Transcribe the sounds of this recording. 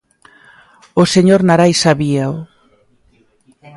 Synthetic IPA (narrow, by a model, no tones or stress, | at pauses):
oseɲoɾnaɾajsaβiao